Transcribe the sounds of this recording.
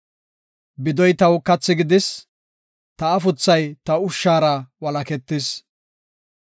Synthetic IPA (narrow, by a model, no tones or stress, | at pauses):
bɪd̪ɔjt̪ɐwkɐt͡sːɪɡɪd̪ɪs | t̪ɐːfʊt͡sːɐjt̪ɐʊʃːaːɾɐwɐlɐkɛt̪ːɪs